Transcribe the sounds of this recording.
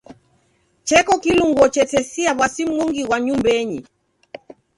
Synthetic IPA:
t͡ʃɛkɔkiluŋɡwɔt͡ʃɛtɛsiaβwasim̩ŋɔŋɡiɣwaɲumbɛɲi

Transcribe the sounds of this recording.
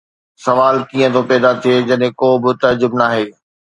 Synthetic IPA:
sɐʋaːlkiːə̃t̪opɛːd̪at̪ʰijed͡ʑɐɗɦẽkoːbɪt̪ɐɾd͡ʑʊbnaːɦeː

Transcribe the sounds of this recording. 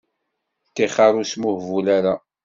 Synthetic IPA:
t̪ːiχɑɾˤusmuhvulaɾa

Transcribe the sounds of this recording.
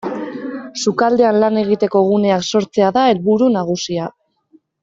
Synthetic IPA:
sukald̪e̞anlane̞ɣ̞it̪e̞ko̞ɣ̞une̞akso̞ɾt͡se̞aðae̞lβuɾunaɣ̞usia

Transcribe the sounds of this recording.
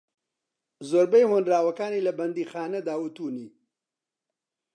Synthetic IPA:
zoɾbejhonɾaːwɐkaːnilɐbɐnd̪iːxaːnɐd̪aːwut̪uːniː

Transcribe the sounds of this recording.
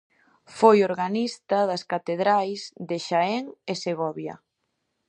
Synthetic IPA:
fojoɾɣanist̪ɐðɐskat̪eðɾajzðeʃaɛŋeseɣɔβjɐ̰

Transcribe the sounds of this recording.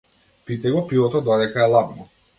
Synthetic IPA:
pit̪ɛɡɔpivɔt̪ɔd̪ad̪ɛkaɛlˠabnɔ

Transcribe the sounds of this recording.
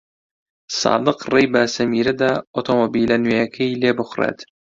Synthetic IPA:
sɑ̰ːd̪ɨqrejbæsæmiɾɪd̪æot̪ʰomobilænjɛkʲʰɪjlebʊχɾḛd̪

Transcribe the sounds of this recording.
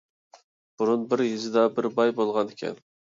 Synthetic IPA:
b̥uɾunbɪɾjizɪd̪ɑbɪɾbɑjbolˠʁɑnekʲʰɛ̰n

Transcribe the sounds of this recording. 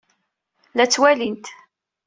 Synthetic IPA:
læt͡sːwælint̪

